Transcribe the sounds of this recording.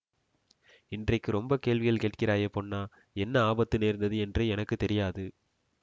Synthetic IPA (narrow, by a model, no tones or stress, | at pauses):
ɪndrɐɪkːɯɾɔmbɐkeːɭʋɪɣɐɭkeːʈkɪɾaːjɐponːaː | ɛnːɐaːbɐt̪ːɯneːɾnd̪ɐðɯɛndrɐɪɛnɐkːɯt̪ːɛɾɪjaːðɯ